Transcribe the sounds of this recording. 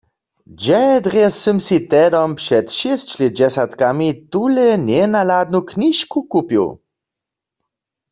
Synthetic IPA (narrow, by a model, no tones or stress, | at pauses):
d͡ʒɛd̪ʁɛsəmsit̪ɛdɔmpʃɛt̪ʃɪst͡ʃled͡ʒɛsat̪kamit̪ulɛnjɛnalad̪̚nukniʃkukupjṵ